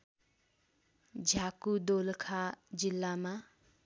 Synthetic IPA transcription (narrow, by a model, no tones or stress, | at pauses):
d͡ʒʱakud̪olkʰad͡ʒilːama